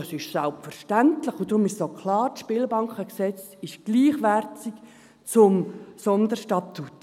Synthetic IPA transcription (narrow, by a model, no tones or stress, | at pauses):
ɑsɪʃsælpfəɾʃtæntləχʊd̥̪ɾʊmɪʃsokʰlɑːɾtʃpɪːlbɑŋkχəksɛt͡s | ɪʃɡ̥liːχʋæɾtik | t͡sʊmsɔnd̪əɾʃtɑt̪ːut